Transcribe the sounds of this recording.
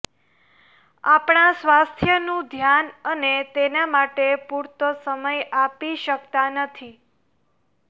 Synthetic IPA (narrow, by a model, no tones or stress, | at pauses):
apɳ̃ãsʋast̪ʰjənũd̪ʱjanənet̪enamaʈepuɾt̪əsəməjapiʃəkt̪anət̪ʰi